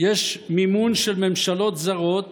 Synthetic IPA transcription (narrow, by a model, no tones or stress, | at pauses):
jeʃmimunʃelmemʃalo̞t̪zaʁot̪